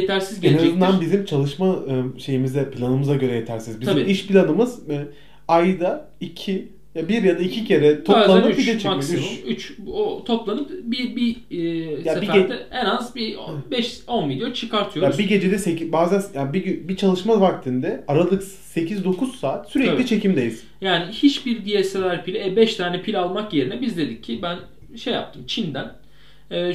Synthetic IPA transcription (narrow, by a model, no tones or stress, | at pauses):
jet̪ʰæɾsizɟenaɛzɯnd̪anbizimt͡ʃʰalˠɯʃmaɯʃe̞jimizd̪ɛpʰilʲanɯmɯzaɟø̞ɾɛje̞t̪ʰæɾsinizbizimiʃpʰilʲanɯmɯzɛ | ajd̪a | icʰi | jabiɾjad̪aicʰicʰe̞ɾɛt̪ʰop̪ˠanɯbid̪ɛt͡ʃʰɛameoyt͡ʃot̪ʰo̞plˠanɯpbibi | jaebid̪ɛenazbibɛʃo̞nvid̪jot͡ʃʰɯkaɾt̪ʰɯjojaɾbiɟe̞d͡ʒed̪ɛsecibaːzænsjabiybit͡ʃʰalˠɯʃmavak̚t̪ʰɯnd̪ɛaɾalˠɯk | se̞cʰizd̪o̞kʰuz̥saːt̪syɾɛcølʲit͡ʃʰe̞cʰimd̪ejis | jaːnihit͡ʃbiɾd̪ijɛselʲæɾpʰilʲɛbɛʃt̪ʰaːnɛpʰilʲalˠmakje̞ɾinɛbizd̪e̞d̪icʰːibæn | ʃe̞ja̰p̚t̪ʰɯmt͡ʃʰind̪æn | ɛː